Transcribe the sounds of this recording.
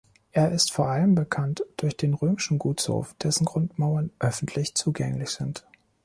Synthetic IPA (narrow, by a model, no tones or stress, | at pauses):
ʔeːɐʔɪstfoːɐʔaləmbəkʰantd̥ʊɐçd̥eːnʁøːmɪʃn̩ɡuːsho̰ːfd̥ɛsn̩ɡʁʊntmaʊɐnʔœfn̩tʰlɪçt͡suːɡɛŋlɪçz̥ɪnt